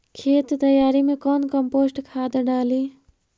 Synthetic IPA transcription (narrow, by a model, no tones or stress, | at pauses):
kʰeːt̪t̪əjaːɾimekɔnkəmpoːsʈkʰaːd̪ɖaːli